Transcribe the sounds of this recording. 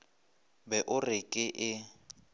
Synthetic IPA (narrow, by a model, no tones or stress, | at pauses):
bɛʔʊrɪkʼɪʔɪ